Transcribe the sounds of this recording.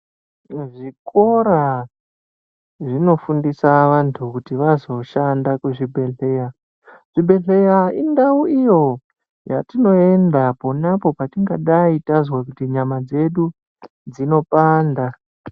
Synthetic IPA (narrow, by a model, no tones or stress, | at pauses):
ʐiko̞ɾa | ʐino̞fundisaʋantʰukutiʋazo̞ʃandakweʐibʱe̞ɮe̞ja | ʐ̥ibʱe̞ɮejaindauijo̞ | ja̰tino̞e̞ndapo̞napo̞patiŋɡaɗaitazwakutiɲamad͡ze̞ɗu | d͡zino̞paːnda